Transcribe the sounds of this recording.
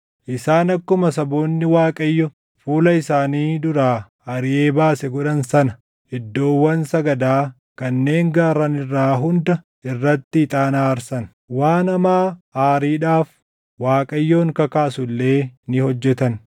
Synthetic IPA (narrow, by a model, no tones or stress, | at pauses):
ʔɪsaːnɐkːʊmɐsɐboːnːɪwaːkʼɐjːɔ | fuːlɐɪsaːniːd̪ʊɾaː | ɐɾɪʔe̞ːbaːsɛɡɔᶑɐnsɐnɐ | ɪd̪ːo̞ːwːɐnsɐɡɐd̪aː | kɐnːe̞ːŋɡaːɾɐnɪrːaːɦʊnd̪ɐ | ɪrːɐt̪ːɪɪt̪ʼaːnaːɐɾsɐn | waːnɐmaːaːɾiːᶑaːf | waːkʼɐjːoːŋkɐkaːsʊlːe̞ːnɪhɔd͡ʒːɛt̪ɐn